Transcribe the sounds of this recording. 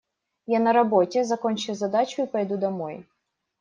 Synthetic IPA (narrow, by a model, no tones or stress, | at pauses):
janɐɾɐbɔtʲɛzɐkɔnʲt͡ʃɪwzɐd̪at͡ʃʊipɐjd̪ud̪ɐmɔj